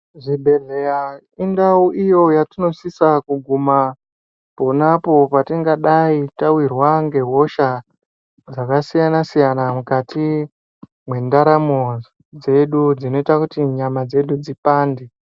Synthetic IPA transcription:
ʐibʱe̞reja | indauʔijo̞jatino̞sisakuɡʱuma | ponapo̞patiŋɡaɗaitawirwaŋɡe̞ɦo̞ʃa | d͡zakasijanasijanamukati | mwe̞ndaɾamo | d͡ze̞ɗud͡zino̞itakutiɲamad͡ze̞ɗud͡zipaːnde

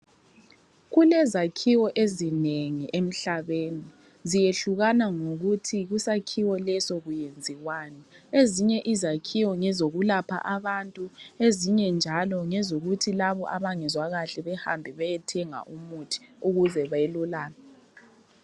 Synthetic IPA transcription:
ɣulɛzakʰiwɔʔezineŋiʔem̩ɬaβeːni | zijeɬuɣanaŋoɣutʰiɣusakʰiwɔlɛsoɣujend͡zʱiɣwaːnɛeziɲɛʔizakʰiwɔŋɛzoɣulapʰa̰ʔaβantʼueziɲɛnd͡ʒʱalɔŋɛzoɣutʰilaβɔ̰ʔaβaŋɛzwaɣaɬɛβɛha̰mbʱiβajɛtʰɛŋa̰ʔumutʰi̥uɣuzɛβajelulaːna

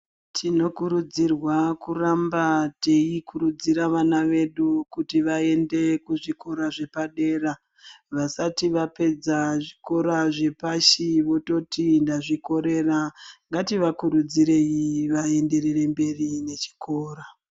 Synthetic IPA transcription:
tʰino̞kuɾud͡zirwakurambateikʰuɾud͡ziɾaʋanaʋe̞ɗukutiʋae̞nde̞kuʐiko̞ɾaʐe̞paɗe̞ːra | ʋasatiʋape̞d͡zaʐiko̞ɾaʐe̞paʃiʋoto̞tindaʐiko̞ɾe̞raŋɡatiʋakuɾud͡ziɾe̞iʋae̞nde̞rere̞mbe̞rine̞t͡ʃi̥koːɾa

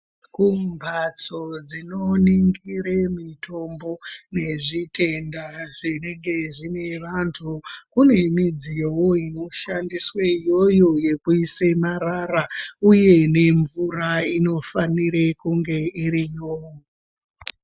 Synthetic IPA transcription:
kumbʱat͡so̞d͡zinoniŋɡiɾemitʰo̞mbo̞ne̞ʐitʰe̞ndaʐineŋɡe̞ʐine̞ʋantʰukune̞mid͡zijowoino̞ʃandiswejo̞jo̞je̞kuisemaɾarauje̞ne̞ɱvuraino̞faniɾekuŋɡe̞irijo

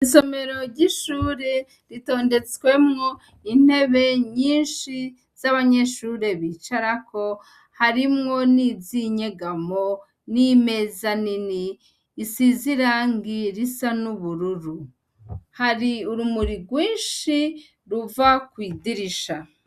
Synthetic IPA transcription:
iso̞me̞ɾo̞ɾɟiʃuːɾe̞ | ɾito̞ːnde̞t͡swe̞mŋo̞ | in̥he̞βe̞ɲiːnʃi | z̥aβaɲe̞ʃuːɾe̞βiːt͡ʃaɾako̞ | haɾimŋo̞niziɲe̞ɡamo̞ | nime̞zaniniː | siziɾaŋɡiɾisanuβuɾuɾu | haɾiuɾumuɾiɡwiːnʃi | ɾuvakwiːdiɾiʃa

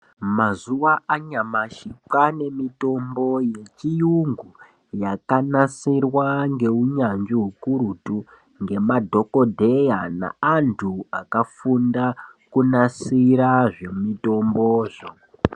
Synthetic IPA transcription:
mazuʋaʔaɲamaʃipane̞mito̞mbo̞jet͡ʃijuŋɡu | jakanasirwaŋɡe̞uɲand͡ʒiɦukuɾutu | ŋɡe̞madʱo̞ko̞dʱe̞jana̰antʰuakafundakunasiɾaʐe̞mito̞mboːʐo

